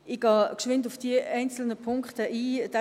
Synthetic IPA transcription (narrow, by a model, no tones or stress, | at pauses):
ʔiɡ̥ɑːkʃʋɪntʊfd̥iəʔɛɪnt͡sl̩nəpʰʊŋkχtəʔiːd̥ɛ